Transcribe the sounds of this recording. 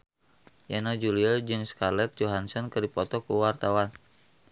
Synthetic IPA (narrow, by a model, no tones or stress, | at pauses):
janad͡ʒuliad͡ʒɨŋskarlɛt̪̚d͡ʒoɦansɔnkɨdipɔt̪ɔkuwart̪awan